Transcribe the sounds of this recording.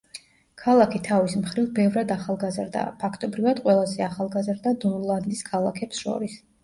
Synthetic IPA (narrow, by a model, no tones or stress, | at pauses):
kʰalˠakʰit̪ʰavismχɾivbɛvɾad̪aχalˠɡazɾd̪a̰pʰakʰt̪ʼɔbɾivad̪qʼwɛlˠazɛaχalˠɡazɾd̪ad̪ɔnlˠand̪iskʰalˠa̰kʰɛpsʃɔ̰ɾis